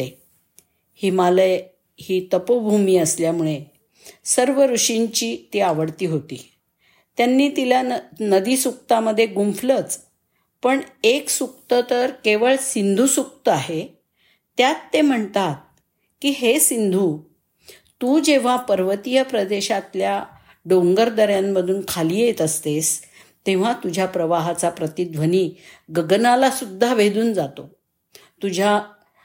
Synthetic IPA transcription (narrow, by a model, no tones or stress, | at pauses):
e | himalə | hiːt̪əpobʱumiːəsljamuɭe | səɾʋəɾuʂiɲt͡ɕiːt̪iaʋəɽt̪iːɦot̪ḭː | t̪janːiːt̪ilanəd̪iːsuk̚t̪aməd̪ʱːjeɡumflət͡s | pəɳeksuk̚t̪ət̪əɾkeʋəɭsind̪ʱusuk̚t̪əaɦe | t̪jat̪ːem̤əɳt̪at̪̚ | kiɦesind̪ʱu | t̪uːd͡ʑeʋ̤apəɾʋət̪ijəpɾəd̪eɕat̪lja | ɖoŋɡəɾd̪əɾjamːəd̪ʱuːnkʰaliːjet̪əst̪es | t̪ẽʋ̤at̪ud͡ʑʱjapɾəʋaɦat͡sapɾət̪id̪ʋəniːɡəɡnalasud̪ʱːaʋed̪uːnd͡zat̪o | t̪ud͡ʑʱa